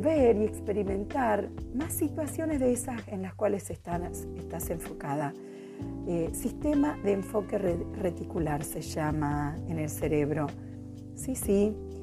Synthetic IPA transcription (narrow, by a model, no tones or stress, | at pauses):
βeɾie̞kspe̞ɾimẽ̞nt̪aɾmasːit̪wasjo̞nezðeesasenlaskwaleset̪asest̪aseɱfo̞kaða | esist̪emaðeːɱfo̞keret̪ikulaɾseʒamaene̞lseɾeβ̞ɾo̞ | sisi